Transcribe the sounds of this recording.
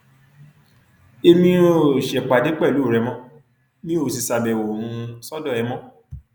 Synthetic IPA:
e˧mĩ˧˦o˨ʃɛ˨k͡pa˨de˨˦k͡pɛ˦˨lu˨˦˨ɾɛ˧mɔ̃˦ | nĩ˦o˦˧˨si˧sa˧bɛ˨wo˨hũ˧ũ˧sɔ˦dɔ˦˨ɛ˧mɔ̃˦

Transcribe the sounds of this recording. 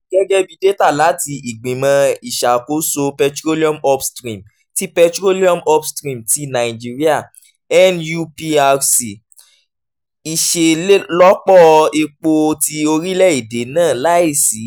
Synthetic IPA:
ɡɛ˦ɡɛ˦bi˦de˦ta˦˨la˨˦ti˧i˨ɡ͡bĩ˨mã˧i˨ʃa˨ko˦so˧pɛ˧tɾo˦li˦ɔ̃˦mɔ˦pstɾĩ˨m | ti˦pɛ˧tɾo˦li˦ɔ̃˦mɔ˦pstɾĩ˦˨mti˧nã˨i˨d͡ʒi˦ɾi˦a˦˨ | ɛ˦nju˧pi˧a˧si˨ | i˨ʃe˨˦lɔ˦k͡pɔ˦˧e˧k͡po˧ti˧o˧ɾi˦lɛ˦˨i˨de˨˦nãː˦˨la˦i˦˨si˨˦

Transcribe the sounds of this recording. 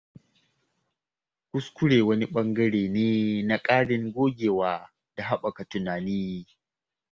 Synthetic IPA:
kʷʊ˦skʷʊ˦ɽeː˨wɐ˦ni˦ɓɐ˦ŋɡɐ˦ɽeː˨neː˦na˨kʼaː˦ɽɪ˦ŋɡʷoː˦ɡʲeː˨waː˨ | da˨ɦa˦ɓɐ˨ka˨tʊ˨naː˨niː˦

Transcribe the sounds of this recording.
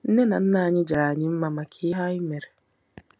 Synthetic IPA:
n̩˦ne˦na˨n̩˦na˦˨ɲɪ˦d͡ʒa˨ɾa˨ɲɪ˦m̩˦ma˦ma˨kʰɪ˦ɦa˦ɪ˦me˨ɾe˨

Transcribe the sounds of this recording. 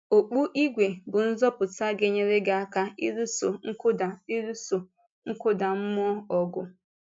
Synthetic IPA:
o˨k͡pu˦ʔi˦ɡʷe˨bʊ˨n̩˦zɔ˦pʊ˨ta˦ɡe˦ɲe˦ɾe˦ɡɪ˦a˦ka˦i˦ɾu˦so̰˨ŋ̩˦kʊ˦da˨i˦ɾu˦so˨ | ŋ̩˦kʊ˦da˨m̩˦mɔ˦ɔ˨ɡʊ̰˦

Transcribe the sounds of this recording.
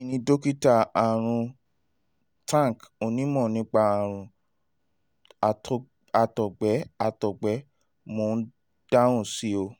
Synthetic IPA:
nĩ˧do˦ki˦ta˦˨a˨ɾ̃ũ˧ | tã˦˨ko˧˨nĩ˨˦mɔ̃˦˨nĩ˧˦k͡pa˧a˨ɾ̃ũ˨˧ | a˧˨tɔ˨ɡ͡bɛ˨˦a˧tɔ˨ɡ͡bɛ˨˦ | mo˨˦n̩˦ | d̥a˦ɾ̃ũ˦˨si˨˦o˧

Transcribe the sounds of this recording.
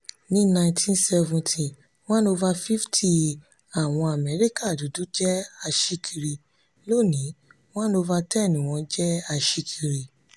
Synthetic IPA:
nĩ˨˦nã˧ĩ˧tʰĩ˦nsɛ˧vũ˨tʰi˨ | w̃ɔ̃˦no˧va˧fi˦ftʰi˦˨ | a˨w̃ɔ̃˧a˨mɛ˨˦ɾi˦ka˦˨du˨˦dũ˦d͡ʒɛ˦a˧ʃi˧kʰi˧ɾi˨ | lo˦˨nĩ˨˦ | w̃ɔ̃˦no˧va˧tɛ˦˨nĩ˨w̃ɔ̃˧d͡ʒɛ˦a˧ʃi˧kʰi˧ɾi˨

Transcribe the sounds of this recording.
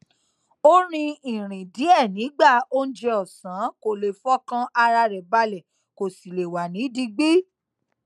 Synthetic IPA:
o˦ɾ̃ĩ˧ĩ˨ɾ̃ĩ˨di˨˦ɛ˦˨nĩ˨˦ɡ͡ba˦˨o˦n̩˦d͡ʒe˧ɔ˦˨sã˨˦ko˨le˨fɔ˦kã˦ʔa˧ɾa˧ɾɛ˨ba˧lɛ˨ | ko˨si˨le˨wa˨nĩ˨˦di˧ɡ͡bi˦

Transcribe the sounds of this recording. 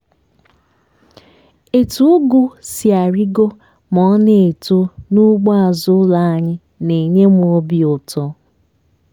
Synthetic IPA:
e˨tu˦ɡu˦si˨a˨ɾi˦ɡo˦ | mɔ˨˦ne˨e˨to˦nu˦ɡ͡bɔ˦a˨zʊ˦la˨a˨ɲɪ˦ | ne˨ɲe˦m˨˦o˦bi˨o˨tɔ˦

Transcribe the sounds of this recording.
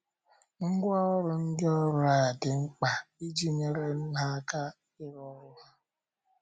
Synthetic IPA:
ŋ̩˦ɡʷa˦ɔ˦ɾʊ˨n̩˦dɔ˦ɾʊ˦a˨dɪ˨ŋ͡m̩˦k͡pa˨i˦d͡ʒi˦ɲe˦ɾe˦n̩˦ɦa˦ka˦ | ɪ˦ɾɔ˦ɾʊ˦ɦa˦

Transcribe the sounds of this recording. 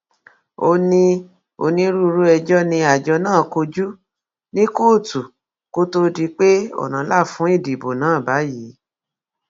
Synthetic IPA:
o˧nĩ˧ | o˧nĩ˧˦ɾu˦˧ɾu˦ɛ˧d͡ʒɔ˦nĩ˧a˨d͡ʒɔ˧nãː˦˨ko˧d͡ʒu˦ | nĩ˦koː˦˨tu˨ | ko˦to˧di˧˦k͡pe˦ɔ̰˨nã˨˦la˦˨fũ˨˦i˦˨di˨bo˨nãː˨˦˨ba˨˦ji˨˦

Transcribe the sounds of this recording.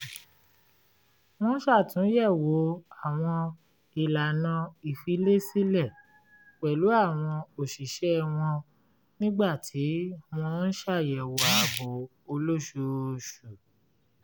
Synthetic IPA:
w̃ɔ̃˦ʃa˦˨tũ˨˦jɛ˦˨wo˨˦a˦˨w̃ɔ̃˧ | i˨la˨nã˧i˨fi˨˦le˦si˦lɛ˦˨ | k͡pɛ˨lu˨˦a˦˨w̃ɔ̃˧o˨ʃi˨ʃɛ˦w̃ɔ̃˧ | nĩ˦ɡ͡ba˦˨tʰi˨˦w̃ɔ̃˧n̩˦ʃa˦˨jɛ˨wo˨˦a˨bɔ˨˦ | o˧lo˦ʃu˧ʃu˨

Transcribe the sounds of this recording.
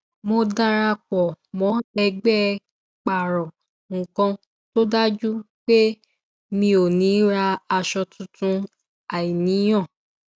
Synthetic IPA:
mo˧da˦˧ɾa˧k͡pɔ˨mɔ̃˨˦ɛ˧ɡ͡bɛ˦ | k͡pa˨ɾɔ̃˨ | ŋ̩˨kɔ̃˧ | to˦da˦d͡ʒu˦ | k͡pe˦ | mĩ˧o˨nĩ˨˦ɾa˧a˧ʃɔ˧tʰũ˧tũ˧ | a˨i˨nĩ˨˦j̃ɔ̃˦˨

